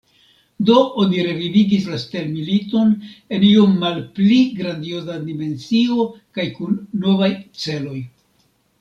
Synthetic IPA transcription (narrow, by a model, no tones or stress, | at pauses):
do̞ʔoniɾe̞viviɡislaste̞lmilito̞ne̞nio̞mːalpliɡɾand̪io̞zadime̞nsio̞kajkunːo̞vajt͡se̞lo̞j